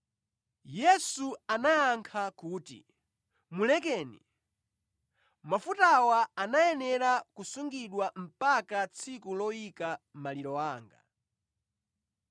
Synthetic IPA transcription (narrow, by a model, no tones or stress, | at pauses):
jɛsuanaaŋkʰakuːtḭ | mulɛkɛːnḭ | mafutawaanajɛnɛɾakusuŋɡiɗwam̩pakat͡sʰikulɔikam̩maliɾɔwaːŋɡa̰